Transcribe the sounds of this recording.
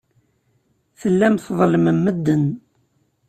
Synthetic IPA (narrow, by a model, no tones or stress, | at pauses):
θəlːæmθðˤləməmːəd̪ːən